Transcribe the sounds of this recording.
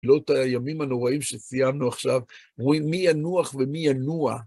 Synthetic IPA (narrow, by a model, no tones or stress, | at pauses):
lo̞tajamimano̞ʁaimʃesijamnuaχʃav | ʁuimːijanuaχve̞mijanua̰